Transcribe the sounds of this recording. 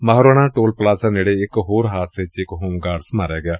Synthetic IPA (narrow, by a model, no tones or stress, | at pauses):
maɦɾoːɽ̃ãːʈoːlplaːzəneːɽeɪkɦoːɾɦaːt̪set͡ʃɪkɦoːmɡaːɾsmaːɾjaːɡɪjaː